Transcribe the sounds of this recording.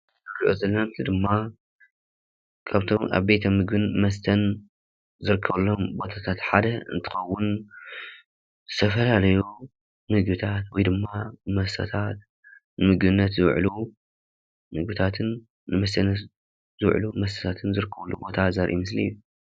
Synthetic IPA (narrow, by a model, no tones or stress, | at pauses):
zɨrʔuzɐlːɐnamɨslid̪ɨmːa | kʰaβt̪ʰo̞ma̰βbet̪ʰɐmɨɡbɨnmɐst̪ʰɐn | zɨɾɨkʰːɐβlːo̞mbo̞t̪ʰat̪ʰat̪ħad̪ɐɨ̰nt̪ʰɨ̥xɐwːʊn | zɨt̪ʰɐfɐlalɐju | mɨɡbɨt̪ʰat̪wɔjd̪ɨmːamɐst̪ʰɐ̰t̪ʰat̪̚ | nɨmɨɡbɨnːɐt̪zɨwʕlu | mɨɡbɨt̪ʰat̪ʰɨn | nɨmɐst̪ʰɐn | zɨwʕlumɐst̪ʰɐ̥t̪ʰat̪ʰɨnzɨɾɨkːɐβlːubo̞t̪ʰazɐɾʔḭmɨslḭjːu